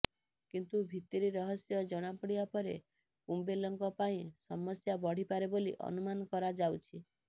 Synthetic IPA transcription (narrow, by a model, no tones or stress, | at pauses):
kint̪ubʱit̪iɾiɾɔɦɔsjɔd͡ʒɔɽ̃apɔɽibapɔɾḛ | kumbelɔŋkɔpaĩsɔmɔsjabɔɽ̤ipaɾebolḭʔɔ̰numanɔkɔɾad͡ʒawt͡ʃʰi